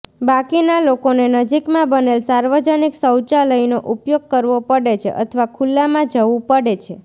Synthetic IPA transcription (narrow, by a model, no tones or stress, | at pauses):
bakinalokonenəd͡ʒikmãbənelsaɾʋəd͡ʒəniksəwt͡ʃaləjnoʔupjoɡ̚kəɾʋopəɽet͡ʃʰḛʔə̰t̪ʰəʋakʰulːamãd͡ʒəʋũpəɽet͡ʃʰe